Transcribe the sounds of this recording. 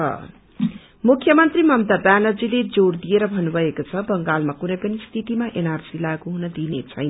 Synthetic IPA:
ʌ̰ | mukʰjʌmʌnt̪rimʌmt̪abanʌd͡ziled͡zord̪ieɾʌbʱʌnːubʱʌekot͡sʰʌbʌŋɡalmakunʌjpʌnist̪ʰiʈimaʔenarsilaɡuɦunʌd̪inet͡sʰʌjn

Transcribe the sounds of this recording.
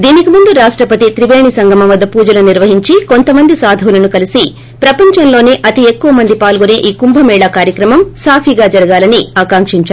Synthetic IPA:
d̪iːnikimund̪uɾaːʂʈɾɐpɐt̪it̪ɾiʋeːɳisɐŋɡɐmɐʋɐd̪ːɐpuːd͡ʒɐluniɾʋɐɦiɲt͡ʃiko̞nt̪ɐmɐnd̪isaːd̪ʱɐwulɐnukɐlisi | pɾɐpɐɲt͡ʃɐnlo̞ːneːʔɐt̪iekːuʋɐmɐnd̪ipaːlɡoneːʔiːkumbʱɐmɛːɭakaːɾjɐkɾɐmɐmsaːpʰiɡaːd͡ʒɐɾɐɡaːlɐniaːkaːŋkʂiɲt͡ʃa

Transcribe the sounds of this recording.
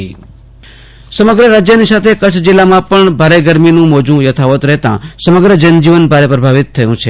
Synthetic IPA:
səməɡɾəɾad͡ʒjənisat̪ʰekət͡ʃʰd͡ʒɪlːamãpəɳbʱaɾeɡəɾminũmod͡ʒũjət̪ʰaʋət̪ɾəɦt̪ã̰səməɡɾəd͡ʒənd͡ʒiʋənbʱaɾepɾəbʱaʋit̪ʰːəjũt͡ʃʰe

